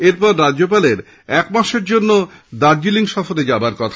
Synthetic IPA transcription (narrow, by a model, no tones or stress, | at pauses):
eɾpɔɾːad͡ʑop̬aleɾ | ɛkmaʃeɾd͡ʑonːod̪aɾd͡ʑiliŋʃɔfoɾed͡ʑabaɾkɔt̪ʰa